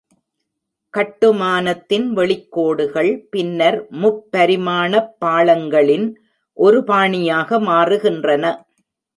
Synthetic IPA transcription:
kɐʈːɯmaːnɐt̪ːɪnʋɛɭɪkːoːɽɯɣɐɭpɪnːɐɾmʊpːɐɾɪmaːnɐpːaːɭɐŋɡɐɭɪn | ʔɔɾɯpaːɳɪjaːɣɐmaːrɯɣɪndrɐnɐ

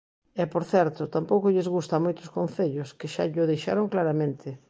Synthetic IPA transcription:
ɛpoɾθɛɾt̪ʊt̪ampowkʊʎɪzɣust̪amojt̪ʊskõnθeʎʊskɪʃa̰ʎʊðejʃa̰ɾʊŋklaɾamẽnt̪ʰɪ

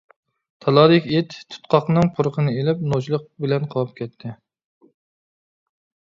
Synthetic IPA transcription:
t̪ʰɑlˠɑːd̪ɪkʲiet̪t̪ʰu̥t̪qʰɑqnɨŋqʰʊɾqʰənɨelɪp̚not͡ʃlˠəq̚bɪlɛnqʰɑwɑp̚kʲɛt̪ʰːɪ

